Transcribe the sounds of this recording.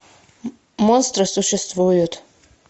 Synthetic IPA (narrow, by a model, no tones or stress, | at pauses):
monst̪ɾɨsuʃɛst̪vujut̪ʰʼ